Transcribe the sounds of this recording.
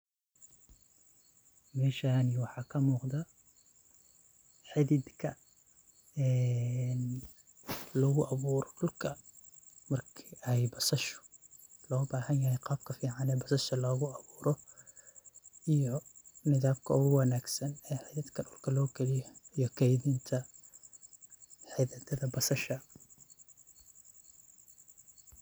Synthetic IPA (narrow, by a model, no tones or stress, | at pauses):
mɛːʃaniwɑħɑːkʰɐmuːqd̪ɐ | ħɪðɪd̪kʰɐ | ɛn | lɔːɣʊʔɑβuːɾɔɖʊlkʰɐ | mɐrkʰiʔɛjbɐsɐʃʊ̥lɔːbaːhɐnjahɛjqɑːb̚kʰɐfiːʕanɛːbɐsɐʃɐlɔːɣʊʔɑβuːɾɔ | ʔijɔnɪðaːbkʰɐʊɣʊwɑnaːɡsɐnɛːħajðɐd̪kʰɐɗʊlkʰɐlɔːkʰɛlɪjɐijɔkʰɛjðiːnt̪ʰɐ | ħajðɐt̪ʰɐðɐbɐsɐʃɐ